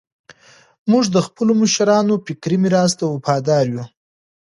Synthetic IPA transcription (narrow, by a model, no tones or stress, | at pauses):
muʐd̪əxpəloməʃaɾɑnopɪkɾimiɾɑst̪awapɑd̪ɑɾju